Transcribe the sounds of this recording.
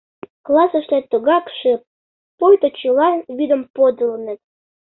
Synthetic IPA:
klˠɑsə̆ʃlæt̪uɣɑkʃe | pojt̪ot͡ɕulɑβid̪ə̆mpod̪əlnə̆t̪̚

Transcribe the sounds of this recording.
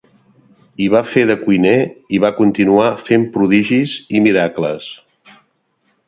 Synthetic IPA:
iβ̞afeðəkujneiβakunt̪inuafempɾuðiʒizimiɾaklə̰s

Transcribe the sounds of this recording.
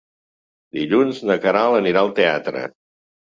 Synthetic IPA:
d̪iʎunznəkəɾalˠəniɾaəlˠt̪ea̰t̪ɾə̰

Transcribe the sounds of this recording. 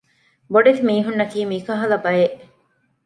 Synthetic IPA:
boɖet̪imiːɦunːɐkiːmiːkɐɦɐlɐbɐjeʔ

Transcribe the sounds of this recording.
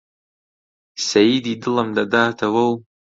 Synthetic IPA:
sajididɨlamdadaːtʰawaw

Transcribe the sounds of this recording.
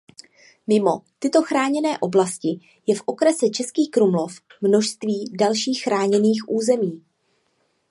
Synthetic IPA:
mɪmo̞t̪ɪt̪o̞xɾaːɲɛnɛːʔo̞blascɪ | jɛfʔo̞kɾɛsɛt͡ʃɛskiːxkɾumlo̞fmno̞ʃst̪viːdalʃiːxxɾaːɲɛniːxʔuːzɛmiː

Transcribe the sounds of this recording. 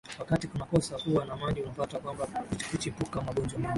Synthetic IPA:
wakatikunakɔsakuwanamaʄiunafatakwambakkut͡ʃipukamaɠɔnd͡ʒama

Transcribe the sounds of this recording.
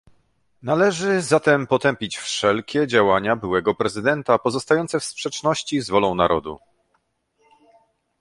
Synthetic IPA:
nalɛʐɘzat̪ɛmpɔt̪ɛmpʲit͡ɕfʂɛlkʲɛd͡ʑawaɲabɘwɛɡɔpɾɛzɘd̪ɛnt̪apɔzɔst̪ajɔnt̪sɛfspʂɛt͡ʂnɔɕt͡ɕizvɔlɔ̃w̃naɾɔd̪ṵ

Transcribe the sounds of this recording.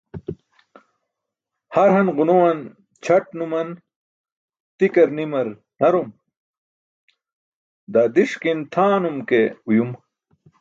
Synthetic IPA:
hɐɾɦɐnʁunowɐn | t͡ɕʰɐʈnumɐn | t̪ikɐɾnimɐɾ | nɐɾom | d̪aːd̪iʂkint̪ʰaːnumkeujum

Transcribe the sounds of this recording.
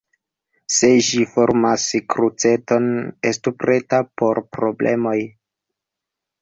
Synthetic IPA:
se̞ʒifo̞ɾmaskɾut͡se̞to̞ne̞stupɾe̞tapo̞ɾpɾo̞blʔe̞̰mo̞j

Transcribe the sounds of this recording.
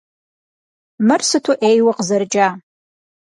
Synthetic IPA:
mɨrsɨtʰuʔejwɐqzɐrd͡ʒaː

